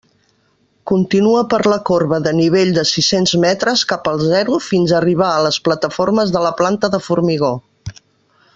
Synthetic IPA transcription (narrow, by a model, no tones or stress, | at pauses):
kunt̪inuəpəɾləkorβəðəniβ̞eʎd̪əsisenzmɛt̪ɾəskapəlˠzɛɾufinzəriβ̞aələsplət̪əforməzðələplant̪əðəfurmiɣ̞o